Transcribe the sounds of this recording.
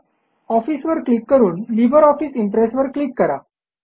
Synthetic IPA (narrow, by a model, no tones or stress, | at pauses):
ɔfiːsʋəɾklikːəɾuːnlibəɾɔfiːsiɳʈɾesʈʋəɾklikːəɾa̰